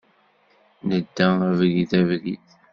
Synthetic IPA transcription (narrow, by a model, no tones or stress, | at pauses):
nəd̪ːæævɣiθævɡḭθ